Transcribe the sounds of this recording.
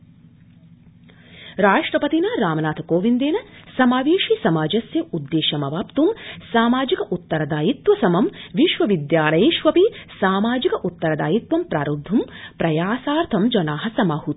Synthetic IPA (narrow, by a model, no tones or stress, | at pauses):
ɾaːʂʈɾɐpɐt̪inɐɾaːmɐnaːt̪ʰɐkoːʋind̪eːnɐsɐmaːʋiːʃisɐmaːd͡ʒɐsjɐud̪ːeːʃɐmɐʋaːpt̪umsaːmaːd͡ʒikɐʔut̪ːɐɾɐd̪aːjit̪ʋɐsɐmɐmʋiʃʋɐʋid̪jaːlɐjeːʃʋɐpisaːmaːd͡ʒikɐʔut̪ːɐɾɐd̪aːjit̪ʋɐmpɾaːɾud̪ʱːumpɾɐjaːsaːɾt̪ʰɐmd͡ʒɐnaːɦɐsɐmɐːhu